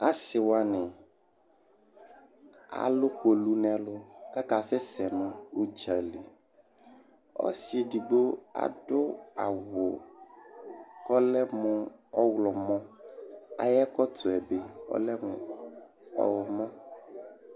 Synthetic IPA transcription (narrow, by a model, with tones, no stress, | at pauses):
a˦sɪ˨wa˦nɛ̃˨ | a̰˨lʊ˦ko˨lu˦nɛ̃˨˦lʊ˦ka˦ka˨sɛ˦sɛ˨nʊ̃˦o˦d͡ʒa˨le˨ | ɔ̰˦si˨e˨di˨ɡ͡bo˦a̰˨ɖʊ˦a̰˨wʊ˨ | kɔ˦lɛ˦mʊ̃˨ɔ˦wlɔ˨mɔ̃˦ | a̰˨jɛ˦kɔ˦t̪ʊ˨ɛ˨be˨˦ɔ̰˦lɛ˦mʊ̃˨ | ɔ̰˦wɔ˨mɔ̃˦